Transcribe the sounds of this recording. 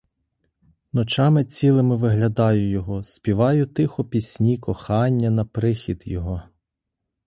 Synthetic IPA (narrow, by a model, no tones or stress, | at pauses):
nɔt͡ʃɑmɪt͡sʲilˠɪmɪʋɪɦlʲɐd̪ɑjʊjɔɦɔsʲpʲiʋɑjʊt̪ɪxɔpʲisʲnʲikɔxɑnʲːɐnɐpɾɪxʲid̪jɔɦɔ